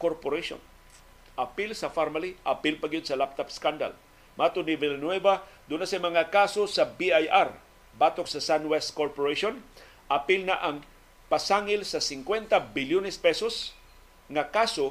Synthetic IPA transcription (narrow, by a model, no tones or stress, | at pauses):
koɾpoɾaʃo̰n | ʔɐpɪlsɐfaɾmaliʔɐpɪlpɐɡɪd̪̚sɐlap̚t̪apskand̪a̰l | maːt̪ʊnivɛlɐnwɛvad̪unasɐjmɐŋakaːsosɐbiajʔaɾ | bat̪oksɐsanwɛst̪koɾpoɾɛʃon | ʔɐpɪlnɐʔɐŋ | pɐsaːŋɪlsɐsɪŋkwɛnt̪ɐbɪljonɛspɛsos | ŋɐkaːso